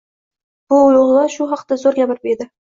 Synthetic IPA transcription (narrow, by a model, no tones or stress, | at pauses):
b̥ʊʊlˠʊʁlˠɑʃʊɦɑqt̪azoɾɡʲabɪɾɪped̪ɪ